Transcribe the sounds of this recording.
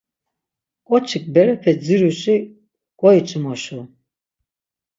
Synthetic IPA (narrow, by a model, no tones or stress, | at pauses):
kʼɔt͡ʃʰik̚ʼbɛɾɛpʰɛd͡ziɾuʃi | ɡ̥ʼɔit͡ʃʼumɔʃu